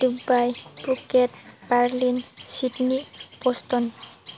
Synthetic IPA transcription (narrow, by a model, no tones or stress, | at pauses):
dubajpuketbaɹlinsitnipɔst̪ɔn